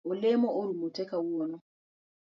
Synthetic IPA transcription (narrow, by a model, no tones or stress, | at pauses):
olemɔʔoɾumutɛkawuɔnɔ